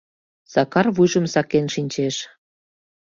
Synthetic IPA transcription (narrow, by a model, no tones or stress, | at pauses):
sɑkɑrβujʒə̆msɑkenʃinʲt͡ɕeʃ